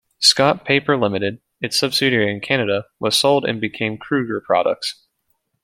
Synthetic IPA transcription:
skɑt̚pʰeɪpə˞lɪ̃mɨɾɨɾ | ɨtsʌb̥sɪɾiɨ̃nkʰænɨɾəwʌz̥soʊlˠdɨ̰̃nbɨkʰẽɪ̃mkʰɹ̥ʉɡə˞pʰɹ̥ɑ̰ɾə̰k̚ts

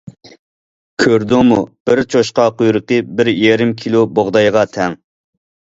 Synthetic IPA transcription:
kʲʰøɾd̪umub̥ɪɾt͡ʃʰoʃqɑqujɾəqəbɪɾjeɾɪmkʲʰilˠuboʁd̪ɑjʁɑt̪ʰɛŋ

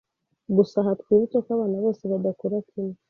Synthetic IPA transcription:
ɡusaɦatkwiɾitokaβanaβoːseβad̪akuɾakʰini

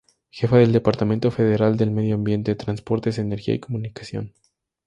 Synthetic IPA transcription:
xe̞faðe̞ld̪epaɾt̪amẽ̞nt̪o̞feðeɾald̪e̞lmeðjoambje̞nt̪eet̪ɾanspo̞ɾt̪ezeneɾxia̰iko̞mũnikḁsjo̞̰n

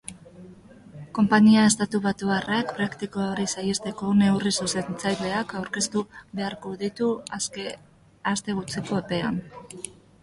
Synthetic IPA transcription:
ko̞mpaɲiae̞st̪at̪uβat̪uarakpɾakt̪ikooɾisajest̪e̞ko̞ne̞urisuse̞nt͡sajle̞akawɾke̞st̪uβe̞aɾko̞ðit̪u | ast̪e̞ɣut͡seko̞epe̞a̰n

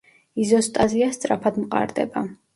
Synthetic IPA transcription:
izɔst̪ʼaziast̪sʼɾapʰad̪mqʼa̰ɾd̪ɛ̰ba

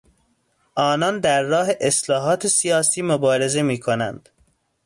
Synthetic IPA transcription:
ʔɒːnɒːnd̪æɾːɒːɦeʔeslɒːɦɒːt̪ʰesijɒːsiːmobɒːɾe̞zemiːkʰonæ̰nd̪̥

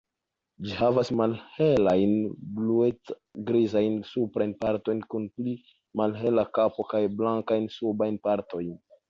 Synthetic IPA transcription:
d͡ʒihavasmalhe̞lajnbluet͡s | ɡɾizajnsupɾajnpaɾto̞jnkunpli | malɦe̞lakapo̞kajblaŋkajnsubajnpaɾto̞jn

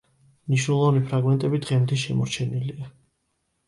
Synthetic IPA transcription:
mniʃnɛlˠɔvnipʰɾaɡmɛnt̪ʼɛbid̪ʁɛmt̪ʰiʃɛmɔɾt͡ʃʰɛnilia

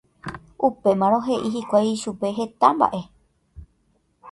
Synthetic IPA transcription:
upe̞mãɾ̃õ̞ɦe̞ʔiɦikʷajʃupe̞ɦe̞t̪amba̰ʔe̞

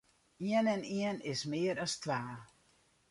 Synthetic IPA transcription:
iənɛniənɪsmɪːəɾɔstʰʋaː

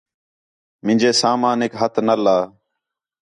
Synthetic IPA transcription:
mɪ̃nd͡ʒeːsaːmaːneːkɦət̪ʰnəlaː

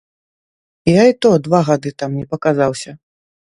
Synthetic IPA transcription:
ijait̪ɔd̪vaɣad̪ɨt̪amnʲɛpɐkazawsʲɐ

